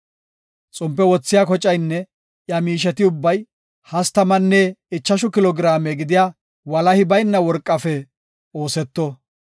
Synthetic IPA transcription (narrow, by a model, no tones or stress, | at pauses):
t͡sʼʊmpːɛwɔt͡sːɪjaːkɔt͡ʃʼɐjnːɛ | jɐmiːʃ̬ɛt̪ɪʊbːɐj | hɐst̪ɐmɐnːɛɪt͡ʃːɐʃʊkɪlɔɡɾaːmɛɡɪd̪ɪja | wɐlɐhɪbɐjnːɐwɔɾkʼːɐfɛ | o̞ːsɛt̪ːɔ